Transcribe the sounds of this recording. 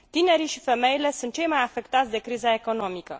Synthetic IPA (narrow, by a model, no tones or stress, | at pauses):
t̪ine̞ɾiʃife̞me̞jile̞sunt̪̚t͡ʃe̞jmajafe̞kt̪at̪sʲd̪e̞kɾizae̞ko̞no̞mikə̰